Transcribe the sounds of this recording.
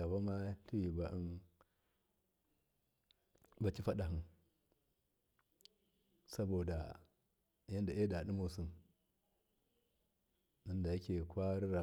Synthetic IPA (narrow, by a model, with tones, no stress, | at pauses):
a˨ba˦ma˦ɬi˦wi˨ba˨ʔi˦n | ba˦t͡ʃi˦fa˦ɗa˨ɦi˨n | sa˦bo˨da˨ | ja˦nda˨ʔe˦da˨ɗi˦mo˨su˨n | ni˦nda˨ji˦kʲe˨kʷa˦ɾi˦ɾa˨